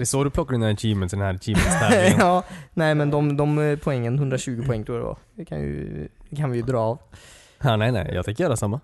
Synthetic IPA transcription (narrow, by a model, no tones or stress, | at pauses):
d̪ɛsoːɾʉp̪ʰɔkːaɖʉnnɛnt̪ʰiːmənd̪ɛnhæːɾt̪ʰiːmmənsʰæɑːnæɪmɛnd̪ɔmd̪ɔmpʰɔɛŋːənhʉnd̪ɾɑʃʉːɡəpʰɔɛŋːt̪ʰɾuːɾə̰ɑ̰kʰɑnɪ̰kʰɑnʋɪjʊd̪ɾɑːɑʋ | ɑnæɪnæ̰ɪɛ̰t̪ɛɪkːəjøːɾasɑmːə